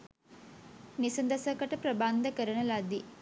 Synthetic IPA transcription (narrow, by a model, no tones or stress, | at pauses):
nisɐnd̪ɐsɐkɐʈɐpɾɐbaːnd̪ʱɐkɐɾɐɳɐlaːd̪i